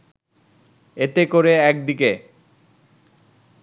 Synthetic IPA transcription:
et̪ekoɾeɛk̚d̪ike

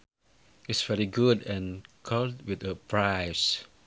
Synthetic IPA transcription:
ɪtsvɛɹiɡudɛ̃nkʰɔldwɪdəpɹajs

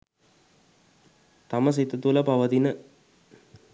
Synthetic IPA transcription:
t̪ɐmɐsit̪ːɐt̪ulɐpɐʋɐd̪inə

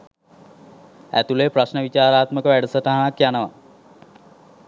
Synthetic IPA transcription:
æ̰t̪uleprasnəʋit͡ɕaːɾaːt̪məkəʋæɖəsəʈaɦanakjanəʋa̰

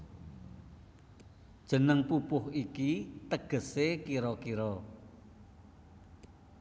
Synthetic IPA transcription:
d̥ʒ̥ə̤nəŋpupʊhikit̪əɡ̥ə̤sekiɾɔkiɾɔ

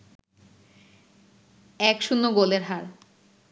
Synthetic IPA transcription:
ɛkʃunːoɡoleɾɦaɾ

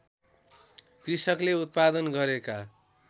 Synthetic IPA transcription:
krisʌkleut̪̚pad̪ʌnɡʌɾeka

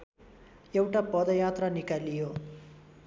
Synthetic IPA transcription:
ewʈɐpɔːd̪ɐjaːt̪ɾɐnikɐlːijoː

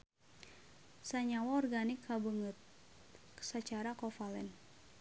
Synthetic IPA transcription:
saɲawaɔrɡanɪkʰːabəŋət̪̚ | ksat͡ʃaɾakɔfalɛn

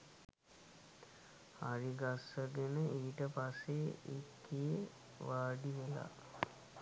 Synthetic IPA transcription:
aɾiɡasəɡenəʔiːʈəpasːeekːije | ʋaːɖiʋela̰

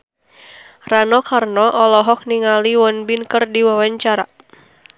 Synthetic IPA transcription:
ranɔkarnɔʔɔlɔɦɔk̚niŋaliwɔnbinkərdiwawaɲt͡ʃaɾa

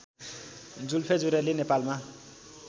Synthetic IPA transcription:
d͡zulpʰed͡zuɾelenepalma

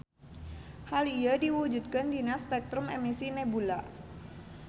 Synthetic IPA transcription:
halijadiwud͡ʒut̪̚kəndinaspɛk̚t̪ɾʊmemisinebula

